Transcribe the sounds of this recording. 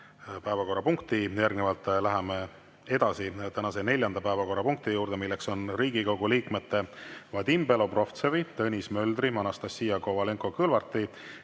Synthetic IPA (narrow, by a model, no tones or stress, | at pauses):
pæevɑko̞rːɑpuŋkt̪ijærɡnevɑlt̪ːˑlæɦɛme | e̞d̪̥ɑsit̪ænɑse̞ne̞lʲjɑnd̪̥ɑpæevɑko̞rːɑpuŋk̚t̪ijuːɾd̪̥e̞milːe̞kso̞nriːɡ̥ikɑwɡ̥uliːkme̞t̪ːˑe̞vɑd̪̥imbe̞lo̞pro̞ft̪sevit̪ɤnʲismø̞ld̪rimɑnɑst̪ɑsːijɑko̞vɑle̞ŋkˑo̞kɤlvɑrt̪ːˑi